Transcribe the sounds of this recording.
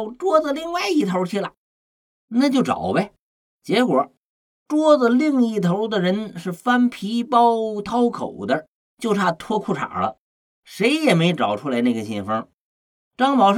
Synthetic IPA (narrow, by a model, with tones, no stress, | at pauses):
ʊʈ͡ʂwɔ˥də˨˧li˥˧ŋwa˥˩ɪi˥˩t̪ʰo˧˥t͡ɕʰi˥˩la̰˨˩˦ɪ | na˥˧t͡ɕjo˥˩ʊʈ͡ʂɑ̰˨˩ʊbe˥˩ɪ | t͡ɕjɛ˧˥kwɔ˨˩˦ | ʈ͡ʂwɔ˥d͡zə˨li˥˧ŋi˥˩t̪ʰo˧˥d̪ə˨ɻə˧˥nʂɻ̩˥˩fa˥npʰi˧˥pɑ˥ʊt̪ʰɑ˥ʊkʰo̰˨˩ʊd̪ə˦ | t͡ɕjo˥˩ʊt̪ʰa˥˩t̪ʰwɔ˥kʰu˥˩ʈ͡ʂʰa̰˨˩lə̰˦ | ʂe˧˥ɪjɛ˨˩me˧˥ɪʈ͡ʂɑ˨˩ʊʈ͡ʂʰu˥la˧˥ɪna˥˩ɡə˩ɕɛ˥˩nfə˥ | ʈ͡ʂɑ˥ŋpɑ˨˩ʊʂ